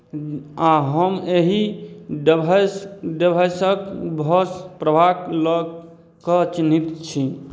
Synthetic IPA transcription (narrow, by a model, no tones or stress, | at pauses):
aɦəmeɦiɖbaɖebʱajsəkbʱəspɾəbʱakləɡ | kət͡ʃinit̪t͡ʃʰi